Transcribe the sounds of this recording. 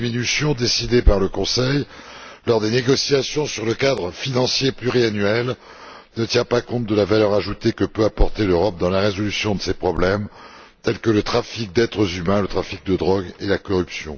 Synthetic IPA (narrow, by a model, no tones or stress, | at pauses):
minysjɔ̃d̪esid̪epaʁləkɔ̃sɛjlɔʁd̪eneɡɔsjasjɔ̃syʁləkad̪ʁəfinɑ̃sjeplyʁianɥɛl | nət̪jɛ̃pakɔ̃t̪̚d̪əlavalœʁaʒut̪ekəpøapɔʁt̪eløʁɔp̚d̪ɑ̃laʁezɔlysjɔ̃d̪əsepχɔblɛm | t̪ɛlkələt̪χafik̚d̪ɛt̪χəzymɛ̃lət̪χafik̚d̪əd̪ʁɔɡelakɔʁypsjɔ̃